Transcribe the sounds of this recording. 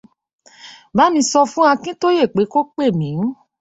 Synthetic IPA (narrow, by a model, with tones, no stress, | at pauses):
ba˨˦mĩ˧˦sɔ˧fũ˦a˧kĩ˦to˦je˦˨k͡pe˨˦ko˦k͡pe˦˨mĩ˨˦